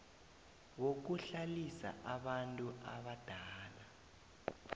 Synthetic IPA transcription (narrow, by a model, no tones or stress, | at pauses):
wok̬uɬalisa̰ʔaɓantʼuʔaɓad̥ʱaːla